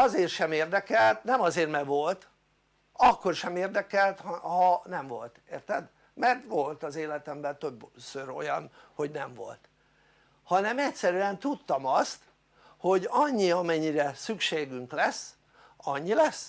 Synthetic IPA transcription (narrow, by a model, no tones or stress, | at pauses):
ɒzeːrʃɛmeːrd̪ɛkɛlt̪nɛmɒzeːrmɛɡʋo̞lt̪ | ɒkːo̞rʃɛmeːrd̪ɛkɛlt̪hhɒnɛɱvo̞lt̪eːrt̪ɛd̪ | mɛrt̪ʋo̞lt̪ɒzeːlɛt̪ɛmbɛlt̪øbsøɾo̞̰jɒn | ho̞ɟnɛɱvo̞̰lt̪ | hɒnɛmɛcsɛɾyɛnt̪ut̪ːɒmɒst̪ | ho̞ɟɒɲːiɒmɛɲːiɾɛsykʃeːɡyŋklɛs | ɒɲːilɛs